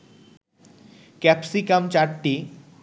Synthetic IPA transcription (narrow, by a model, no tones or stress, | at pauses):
kɛpsikamt͡ɕaɾʈi